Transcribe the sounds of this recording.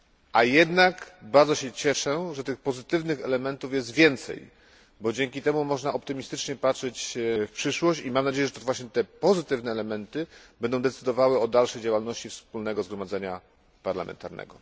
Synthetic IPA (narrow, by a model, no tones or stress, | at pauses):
ʔajɛd̪nakbaɾd̪zɔɕɛt͡ɕɛʂɛʐɛt̪ɘxpɔzɘt̪ɘvnɘxɛlɛmɛnt̪ufjɛst̪vʲjɛnt̪sɛ̰j | bɔd͡ʑɛŋkʲit̪ɛmumɔʐnaɔp̚t̪ɘmʲist̪ɘt͡ʂɲɛpatʂɛt͡ɕfpʂɘʂwɔɕt͡ɕimamnad͡ʑejɛʐɛt̪ɔvwaɕɲɛt̪ɛpɔzɘt̪ɘvnɛːlɛmɛnt̪ɘb̥ɛnd̪ɔ̃w̃d̪ɛt̪sɘd̪ɔvawɛɔd̪alʂɛjd͡ʑawalnɔɕt͡ɕifspulnɛɡɔzɡɾɔmad̪zɛɲa | paɾlamʔɛ̰nt̪aɾnɛ̰ɡɔ